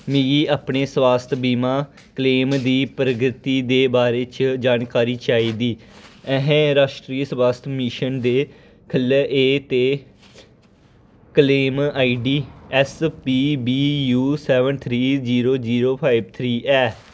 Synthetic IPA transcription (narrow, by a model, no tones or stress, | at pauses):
mĩɡiːaːpɳeːswaːst̪ʰbiːmãː | kəleːmd̪iːpɾəɡɾɪt̪iːd̪eːbaːɾeːt͡ʃd͡ʒaːnkaːɾiːt͡ʃaːiːd̪iːɛɦẽːɾaːʃʈɾiːəswaːst̪ʰmɪʃənd̪eː | kʰəleʔeːt̪eː | kəleːmaːiɖiːɛspiːbiːjuːsɛːʋənt̪ʰɾiːd͡ʒiːɾoːd͡ʒiːɾoːpʰaːɪbt̪ʰɾiːʔɛː